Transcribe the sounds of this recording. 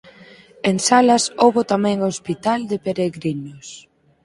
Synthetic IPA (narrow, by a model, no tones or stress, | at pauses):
eŋsalɐsowβot̪amɛ̃ŋospit̪ald̪epeɾeɣɾinos